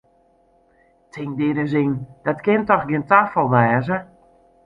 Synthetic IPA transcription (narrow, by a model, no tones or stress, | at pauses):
tʰɪŋdɪɾəzɪŋd̥ɔtkɪntɔxɡiəntaːfɔlˠʋɛːzə